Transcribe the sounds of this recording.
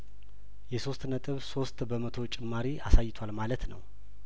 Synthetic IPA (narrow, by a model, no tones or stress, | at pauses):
jɛso̞st̪nət̪ʼɨβso̞st̪bəmət̪ʰo̞t͡ʃʼɪmːaɾiasajːɪt̪ʰalmalət̪nə̰w